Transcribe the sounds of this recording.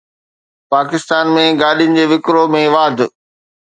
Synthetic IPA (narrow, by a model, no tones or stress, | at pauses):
paːkɪst̪aːnmẽɡaːɗijʊnɪ̆d͡ʑeːʋɪkɾomẽʋaːd̪ʱ